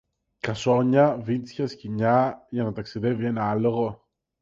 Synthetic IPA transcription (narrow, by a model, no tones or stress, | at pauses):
kɐso̞ɲɐvinsçɐsciɲɐʝɐnɐt̪ɐksiðe̞vie̞nɐɐlo̞ɣo̞